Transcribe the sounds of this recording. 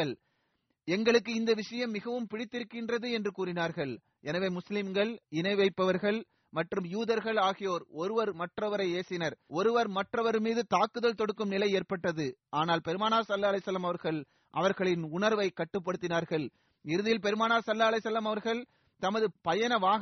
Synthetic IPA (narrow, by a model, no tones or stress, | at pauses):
ɐɭ | ɛŋɡɐɭɯk̬ːɯɪnd̪ɐʋɪʂɐjɐmːɪɣɐʋɯmpɪɽɪt̪ːɪɾɯkːɪndrɐðɯɛndrɯkuːɾɪnaːɾɣɐɭ | ʔɛnɐʋeːmʊslɪmɡɐɭɪnɐɪʋɐɪpːɐʋɐɾɣɐɭ | mɐʈrɯmjuːðɐɾɣɐɭaːɣɪjoːɾɔɾɯʋɐɾmɐʈrɐʋɐɾɐɪeːsɪnɐɾɔɾɯʋɐɾmɐʈrɐʋɐɾmiːðɯt̪aːkːɯðɐlt̪ɔɽɯkːɯmnɪlɐɪeːrpɐʈːɐðɯʔaːnaːlpɛɾɯmaːnaːsɐlːaːɐlɐɪsɐlːɐmɐʋɐɾɣɐɭ | ʔɐ̰ʋɐɾɣɐɭɪnʊnɐɾʋɐɪkːɐʈːɯp̬ːɐɽɯt̪ːɪnaːɾɣɐɭ | ɪɾɯðɪjɪlp̬ɛɾɯmaːnaːsɐlːaːɐlɐɪsːɐlːɐmɐʋɐɾɣɐɭ | t̪ɐmɐðɯpɐjɐnɐʋaː